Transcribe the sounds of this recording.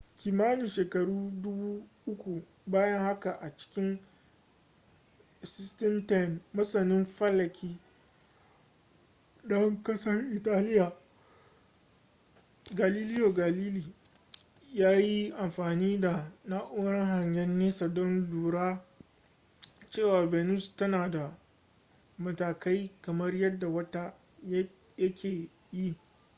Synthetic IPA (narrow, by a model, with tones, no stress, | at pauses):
kʲiː˨maː˦nɪ˨ʃeː˨kɐ˨ɽuː˦dʊ˦buː˦ʔʊ˦kʷu˨ | baː˦jɐ˦ŋha˦ka˨ʔa˨t͡ʃɪ̥˦kʲɪ˦n˨ | sɪ˦stɛ˦mta˦˨nːɐ˦sɐ˨nɪ˦mɸɐ˦lːɐ˨kʲʰiː˦ | dɔ˦ŋkɐ˦sɐ˦rʔɪ˨taː˦lɪ˦jaː˨ | ɡaː˨liː˦lɪ˦joː˨ɡa˨liː˦liː˨ | jaː˦ji˦ʔa˨mɸaː˨niː˦da˨naː˦ʔʊ˦ɾɐ˦ŋɦa˨ɲjɐ˦nːeː˦sɐ˨dɔ˦nduː˨ɽaː˦ | t͡ʃeː˦˨waː˨bɛː˨nu˦˨stɐ˦naː˨da˨ | mɐ˨taː˨ka˦jkɐ˨mɐ˦rjɐ˦dːa˨wɐ˦ta˦ | j | jɐ˦kʲeː˨ | ji˦